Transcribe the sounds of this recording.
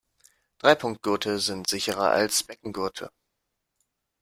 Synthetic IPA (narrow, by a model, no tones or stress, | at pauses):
d̥ʁaɪpʰʊŋk̚t̚ɡ̥ʏɐtʰəzɪntz̥ɪçəʁɐ̰ʔa̰lsb̥ɛk̚ŋ̩ɡʏɐtʰə̰